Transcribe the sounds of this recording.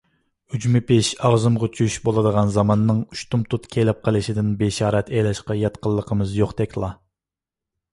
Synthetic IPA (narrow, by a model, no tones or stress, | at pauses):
yd͡ʒmɪpeʃɑʁzɨmʁɑt͡ʃʰyʃbolˠɨd̪əʁɑnzɑmɑnːɨŋyʃt̪ʰumt̪ʰut̪kʲʰelɪp̚qʰəlˠɨʃid̪ɪnbeʃɑːɾɛt̪ʰelɛʃqɑjɑt̪qəlˠːəqʰəmɨzjoqd̪ɛkʲʰlˠɑ